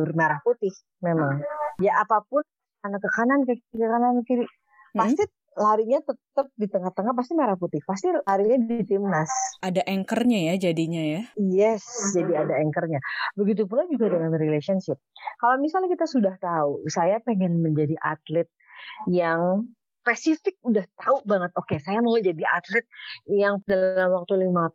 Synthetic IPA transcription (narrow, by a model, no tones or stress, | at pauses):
rmaɾahput̪ɪh | memaŋjaʔapapʊn | anakəkanankəkikəkanankiɾi | past̪i | laɾiɲat̪ət̪əp̚dit̪əŋaht̪əŋahpast̪imaɾahput̪ɪhpast̪ilaɾiɲadt̪ɪmnasadaʔɛŋkərɲajad͡ʒadiɲajajɛsd͡ʒadiadaɛŋkərɲabəɡit̪̬up̬ulad͡ʒuɡadəŋanrilesiɔnʃɪp̚kalomisalɲakit̪asudaht̪ausajapeŋɛnməɲd͡ʒadiʔa̰t̪lɪt̪̚jaŋ | spesifɪk̚udaht̪aubaŋət̪̚okesajamaud͡ʒadiʔat̪lɪt̪̚jaŋdallamwak̚t̪ulima